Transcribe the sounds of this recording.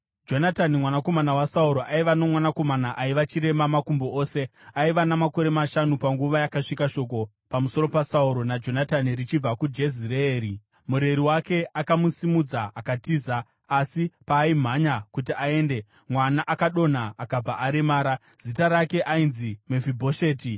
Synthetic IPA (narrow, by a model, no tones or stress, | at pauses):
d͡ʒo̞natanimwanako̞manawasauɾo̞ʔaiʋano̞mwanako̞manaʔaiʋat͡ʃiɾe̞mamakumboʔoːse̞aiʋanamako̞ɾe̞maʃanupaŋɡuʋajakaʂikaʃo̞k̬o̞ | pamuso̞ɾo̞pasauɾo̞nad͡ʒo̞natanirit͡ʃib͡vakud͡ʒe̞zireːɾi | muɾe̞ɾiwake̞akamusimud͡zaakatiːzaː | sipaːim̤aɲakut̬iʔae̞nde̞ | mwanaʔakaɗo̞n̤aːkab͡vaʔaɾemaːɾa | z̥itaɾake̞ʔainzimefibʱo̞ʃe̞ːti